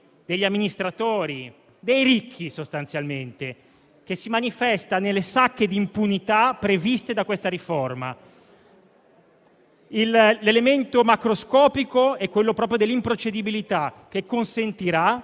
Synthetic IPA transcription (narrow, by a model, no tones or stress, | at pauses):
d̪eʎːamːinist̪ɾat̪oːɾi | d̪ejɾikʰːisost̪ant̪sjalment̪e | k̟esːimanifɛst̪anelːesakːed̪impunit̪apːɾevist̪ed̪akwest̪aɾiforma̰ | illelement̪omakɾoskɔːpikoɛkːwelːopɾɔːp̬ɾjod̪elːimpɾot͡ʃed̪ibilit̪ak̟ːekːonsent̪iɾa